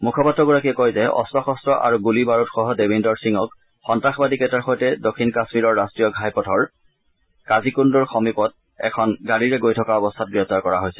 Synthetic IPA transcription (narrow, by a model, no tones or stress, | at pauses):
mukʰɔpatːɹɔɡɔɹakiɛkɔjzɛɔ̰stɔxɔstɹɔʔa̰ɹuɡulibaɹutxɔɦɔdebindɔɹsiŋɔk̚ | xɔntɹaxbadikɛtaɹxɔjtɛdokʰːinkasmiɹɔɹːastɹijɔɡʱajpɔtʰɔɹ | kazikundɔɹxɔmipɔt̚ | ɛ̰kʰɔnɡaɹiɹɛɡojtʰɔkaɔbɔst̪ʰat̚ɡɹɛp̚taɹkɔɹaɦojsɛ̥